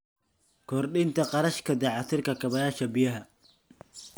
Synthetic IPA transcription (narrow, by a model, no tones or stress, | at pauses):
kʰɔːrɗɪnt̪ʰɐqɑɾɐʃkʰɐd̪ɐʕɑt̪ʰɪrkʰɐkʰɐβɐjaːʃɐbijɐɦɐ